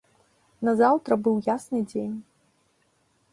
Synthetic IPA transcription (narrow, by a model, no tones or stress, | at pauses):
nɐzawt̪ɾɐbɨwjasnɨd͡zʲenʲ